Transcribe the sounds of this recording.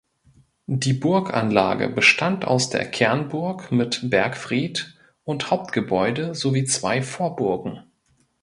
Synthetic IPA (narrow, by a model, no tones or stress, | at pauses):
diːbʊɐkʔa̰nla̰ːɡə̰bəʃtʰantʔa̰ʊsd̥ḛːɐkʰɛɐnbʊɐkmɪtb̥ɛɐkfʁ̥iːt | ʔʊnthaʊp̚tɡ̥əbɔʏdəzoviːt͡sv̥aɪfoːɐbʊɐɡŋ̩